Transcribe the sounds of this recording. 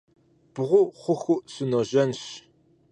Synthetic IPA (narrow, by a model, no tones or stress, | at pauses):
b̥ʁʷʊχʷʊxʷuʔsunoʑɐnɕ